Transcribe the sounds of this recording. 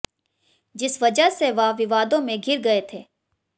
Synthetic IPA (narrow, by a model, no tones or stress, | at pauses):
d͡ʒɪsʋɐd͡ʒəɦseʋaʋɪʋaːd̪õmẽɡʱɪɾɡɐet̪ʰeː